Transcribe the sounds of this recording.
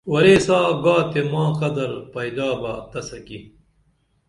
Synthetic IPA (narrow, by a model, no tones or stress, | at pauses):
wɐɾeːsaːɡaːt̪emãːqɐd̪ɐɾpɐjd̪aːbaːt̪ɐsɐki